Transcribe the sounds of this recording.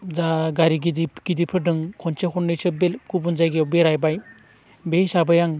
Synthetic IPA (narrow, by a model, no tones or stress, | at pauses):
zaɡaɾiɡidiɡ̥idipʰɯdɯŋkʰɔnt͡ʃakʰɔnːɯjsɯbelkubunzajɡiwbeɾajbaj | bejsabajaŋ